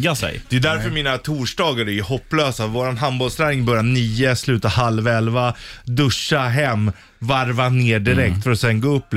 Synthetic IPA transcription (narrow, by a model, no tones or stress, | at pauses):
asɛ̰jd̪̥ɛjʉd̪æɾfœɾmiːnat̪ʰuːʂɖɑːɡaɾɛɛhɔpːløːsavoːɾanɦanbɔlst̪ʰɾæːnɪŋbœɾjaniːəslʉ̟ːt̪ahalvɛlvad̪ɵʂːaɦɛmː | vaɾvaneːɖɪɾɛk̚t̪fœɾɔsɛŋɡaɵp̪ː